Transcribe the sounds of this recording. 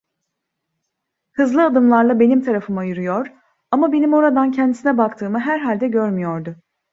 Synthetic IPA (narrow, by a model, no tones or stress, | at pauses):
hɯzlˠɯad̪ɯmlˠaɾlˠabe̞nimt̪ʰaɾafɯmajyɾyjoɾ | amabe̞nimo̞ɾad̪ancʰɛnd̪isinɛbakt̪ʰɯːmɯɦæɾɦalʲd̪ɛɟø̞ɾmyjoɾd̪ʊ